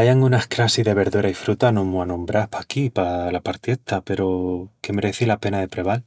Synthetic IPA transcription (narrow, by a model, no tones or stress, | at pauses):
ajaŋɡunahkɾasiðe̞βe̞ɾðuɾaifɾut̪anomuanõmbɾapʰakipalapaɾt̪jet̪ape̞ɾoke̞me̞ɾe̞θilape̞naðe̞pɾe̞β̞al